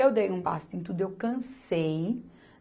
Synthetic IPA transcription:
ewd̪ejũpa̰st̪ẽt̪̬ud̪ʊewkɐ̃sej

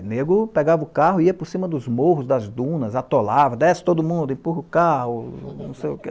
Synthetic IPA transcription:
neɡʊpeɡavɐʊkaɦʊiɐpʊɾsĩmɐd̪ʊzmohʊzd̪ɐzd̪ũnɐzat̪olavɐd̪ɛst̪od̪ʊmũnd̪ʊẽpuhʊkahʊnɐ̃sejʊke

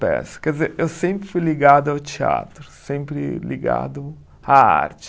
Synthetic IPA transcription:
pɛ̰sʊ̥kɛd͡ʒɪzeɾewsẽmpɾɪfujliɡad̪ʊawt͡ʃia̰t̪ɾʊsẽmpɾɪ̰liɡa̰d̪ʊ | aa̰ɾt͡ʃɪ̥

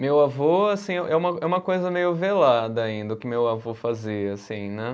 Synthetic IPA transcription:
mewavoasĩɛʔɛũmɐɛũmɐkojzɐmejʊvelad̪ɐaĩnd̪ɐʊkɪmewavofaziɐasĩnɛ

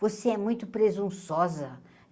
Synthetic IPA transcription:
voseɛmũj̃t̪ʊpɾezũsɔzɐ

